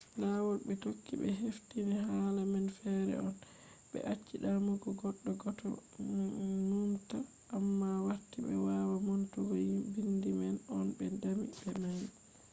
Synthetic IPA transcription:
lawɔlɓɛtokːḭɓɛ̰ɦeftiniɦaːlamɛnfɛɾɛ̰ɔn | ɓɛ̰ʔat͡ʃːiɗamuɡɔɡɔɗːɔɡɔtʰɔ̰ | numta | ʔːmːawaɾtiɓɛ̰wawamontuɡɔbindimɛnɔnbɛndamḭbɛmaji

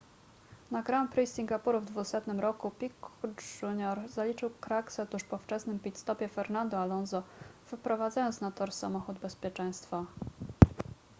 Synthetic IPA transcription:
naɡɾampɾisʲiŋɡapuɾuvd̪vusɛt̪nɘmɾɔkupʲikʐuɲɔɾzalʲit͡ʂɘwkɾaksɛɔt̪uʂpɔft͡ʂɛsnɘmpʲit̪st̪ɔpʲjɛfɛɾnand̪ɔalɔnzɔvɘpɾɔvad̪zajɔnsnat̪ɔɾsa̰mɔxud̪bɛspʲjɛt͡ʂɛj̃st̪fa

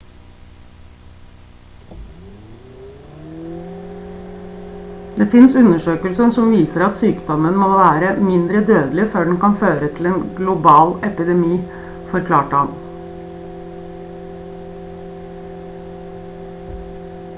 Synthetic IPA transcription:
d̪eːfɪnsʉnəʃøːkəlsənsɔmʋiːsəɾɑt̪syːkd̪ɔmənmoːʋæːɾəmɪnd̪ɾəd̪øːd̪l̩ɪføːɖn̩kɑnføːɾət̪ʰɪl̩eːnɡlʊbɑːlɛpɪd̪ɛmiː | fɔɾkʰlɑːʈɑn

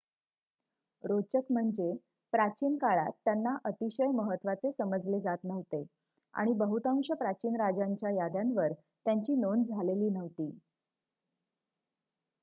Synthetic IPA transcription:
ɾot͡ɕəkm̤əɳd͡ze | pɾat͡ɕiːnkaɭa̰t̪ːjanːaʔət̪iɕəjməɦət̪ːʋat͡sesəməd͡zled͡zat̪nəʋt̪e | a̰ɽ̃ibəɦut̪ãŋʂəpɾat͡ɕiːnɾad͡ʑaɲt͡ɕjajad̪janʋəɾ | t̪jaɲt͡ɕiːnond͡zʱaleliːnəʋt̪iː

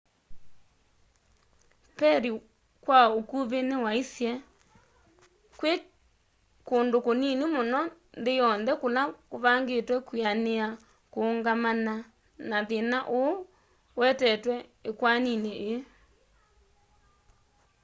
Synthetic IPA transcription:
pɛɾi | kwaokuβenewaisjɛ | kwe | koːndokoninimonɔ | ndejɔnðɛkolakoβaŋɡetwɛkwianea | koŋɡamana | naðenaʔo | wɛtɛtwɛekwanineʔe

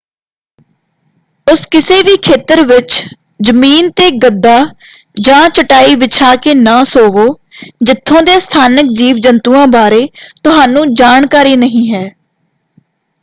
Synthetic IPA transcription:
ʊskɪseːʋiːkʰeːt̪əɾʋɪt͡ʃ | d͡ʒəmiːnt̪eːɡəd̪ːaːd͡ʒãːt͡ʃəʈaːiːʋɪt͡ʃʰaːkeːnãːsoːʋoːd͡ʒɪt̪ʰːõːd̪eːst̪ʰaːnəkd͡ʒiːʋd͡ʒənt̪uːãːbaːɾeːt̪ʊɦaːnũːd͡ʒaːɳkaːɾiːnəɦĩːɦɛː

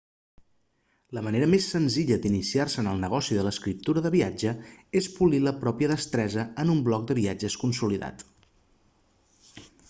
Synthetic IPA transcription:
ləməneɾəmesːənziʎəd̪inisiarsəːnəlˠnəɣ̞ɔsiðələskɾip̚t̪uɾəðəβiad͡ʒəespuliləpɾɔpiəðəst̪ɾɛzəənumblɔk̚d̪əβiad͡ʒəskunsuliða̰t̪

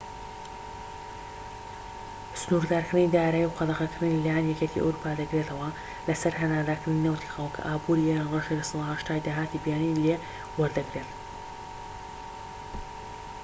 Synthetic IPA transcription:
sɨnuɾd̪aːɾkɾɨnid̪aːɾaːjiwqɑd̪ɐʁɐkɨɾɨnilaːjanjɛkʲet̪ʰḭʔɐ̰wɾupʰaːd̪ɐɡɾe̞t̪ʰɐwɐ | lɐsɐɾɦɐnaːd̪aːkɾɨninawt̪ʰi̥xɐlˠkʰɐ̰ʔaːbuɾieɾanreʃelɐsɨlˠahɐʃt̪aːjd̪aːɦaːt̪ibjaːnile | wɐɾd̪ɐɡɾe̞t̪

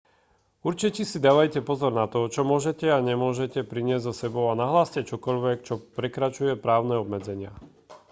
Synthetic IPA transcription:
uɾt͡ʃicisid̪aːʋajcɛpɔzɔɾnat̪ɔt͡ʃɔmʊɔʒɛcɛaɲɛmʊɔʒɛcɛpɾiɲɪɛzʲzɔsɛbɔʊanaɦlaːscɛt͡ʃɔkɔʎʋɛkt͡ʃɔpɾɛkɾat͡ʃujɛpɾaːʊnɛɔbmɛd͡zɛɲɪa̰

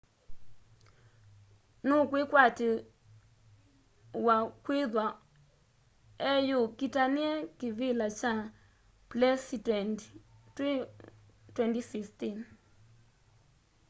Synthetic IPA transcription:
nukwikwati | wakwiðwa | ɛjukitaniɛkivilat͡ʃa | plɛsi | twɛntisistin

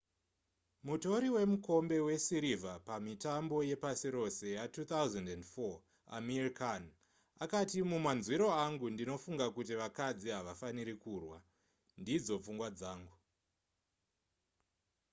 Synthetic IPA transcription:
muto̞ɾiwe̞muko̞mbe̞we̞siɾivapamitambo̞je̞pasiɾo̞se̞jatut̪awzandendfo | a̰merikan | akatimumanzwiɾo̞aŋɡundino̞fuŋɡakutiʋakad͡ziɦaʋafaniɾikuːrwa | ndid͡zo̞p͡fuŋɡwad͡zaːŋɡu

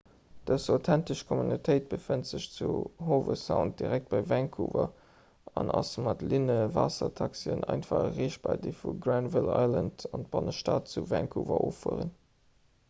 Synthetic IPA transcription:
d̥əsaʊtʰæntəʃkʰomunitʰəɪt̚b̥əfəntz̥əɕt͡suɦoːvəsaʊnt̚d̥iʁæk̚t̚b̥ɑɪvæŋkʰuːvɐ | ɑnʔɑsmɑtlinəvaːsɐtʰɑksiənʔɑɪntfɑχəʁeːʃt̚b̥ɑɪdifuɡrænvɪlɑ̰ɪləntɑnt̚b̥ɑnəʃtaːt̚t͡suvæŋkʰuːvɐ̰ʔoːfuəʁən

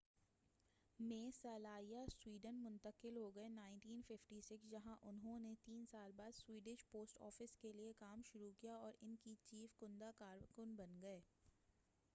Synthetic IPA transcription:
mẽːsɐlaːijaswiːɖənmʊ̃nt̪əkɪlɦoɡɐenãːɪ̃ɳʈiːnfɪfʈisɪksd͡ʒɐɦãʔʊnɦõnet̪iːnsaːlbaːd̪swiːɖɪʃpoːsʈɔ̰ːfɪskeliekaːmʃʊɾukijaɔːɾɪnkit͡ʃiːfkʊ̃nd̪akaːɾkʊnbɐnɡɐeː

